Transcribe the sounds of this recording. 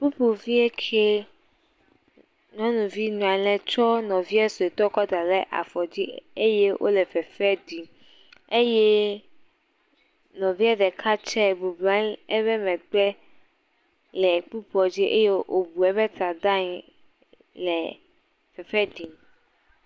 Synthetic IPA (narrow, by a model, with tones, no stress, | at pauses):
pu˦pu˨vi˦e˦kʰe˦ | nɔ̃˦nũ˨vi˦nũ˨a˨lɛ̃˨t͡ʃɔ˦nɔ̃˨vi˦ɛ˦so˨e˨t̪ɔ˦kɔ˦d̪a˨lɛ˦ʔa̰˨fɔ˨d͡ʑi˦e˦je˦wʔo̰˦lɛ˨fɛ˨fɛ˦di˨m | e˦jɛ˦ | nɔ̃˨vi˦a˦ɖɛ˨kʰa˦t͡ʃɛ˦bu˨blã˦ɛ˦βɛ˦mɛ̃˨ɡ͡bɛ˦ | lɛ˨k͡pu˦pu˦ɔ˨d͡ʑi˦ʔe˦je˦ʔo˨bu˨ɛ˦bɛ˦t̪ɾa˨d̪a˦ɲi˨˦ | lɛ˨ | fɛ˨fɛ˦di˨m